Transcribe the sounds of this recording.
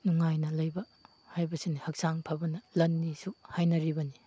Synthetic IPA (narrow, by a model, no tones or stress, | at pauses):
nuŋajnɐlɐjbɐ | hajbɐsinihɐk̚saŋpʰabɐnɐlɐnːisuhajnɐɾibɐni